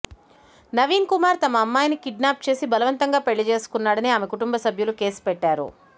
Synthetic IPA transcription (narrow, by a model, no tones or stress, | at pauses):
nɐʋiːnkumaːɾt̪ɐmɐːmːaːjnikiɖnaːp̚t͡ʃe̞ːsibɐlɐʋɐnt̪ɐŋɡaːpeɭːid͡ʒeːsu̥kunːaːɽɐniaːmekuʈumbɐsɐbʱjuluke̞ːspɛʈːaːɾṵ